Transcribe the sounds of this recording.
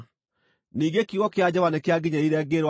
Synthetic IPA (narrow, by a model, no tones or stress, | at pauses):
niːɡekiɣɔkead͡ʑɔβanekeaɡiɲaiɾɛɡeɾwa